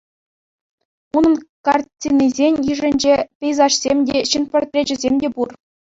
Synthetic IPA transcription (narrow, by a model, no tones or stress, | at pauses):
unɤ̆nkɑrtʲinizʲenʲjiʐɘ̆nʲd͡ʑepʲɘ̆jzɑʂsʲemʲdʲeɕinpʲort̪ʲrʲed͡ʑɘ̆zʲemʲdʲepur